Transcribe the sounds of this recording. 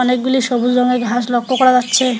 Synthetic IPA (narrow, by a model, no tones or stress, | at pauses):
ɔnek̚ɡuliʃobuld͡ʑɔŋeɡʱaʃlɔkʰːokɔɾad͡ʑatːɕʰe